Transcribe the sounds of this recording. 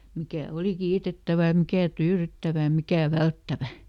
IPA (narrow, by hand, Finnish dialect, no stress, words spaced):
mikæˑ oli kiːtetːæʋæ j̆ɑ̆ mikæˑ tyːrytːæʋæ j̆ɑ̆ mikæˑ ʋæltːæʋæ